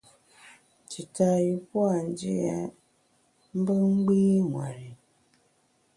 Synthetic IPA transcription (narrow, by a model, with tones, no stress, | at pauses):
ti˨ta˨ji˨pwa˦˨n̩˦d͡ʒḭ˦ja˨ | m̩˦bə˦ŋ͡m̩˦ɡ͡biː˦ŋwa̰˨ɾi˨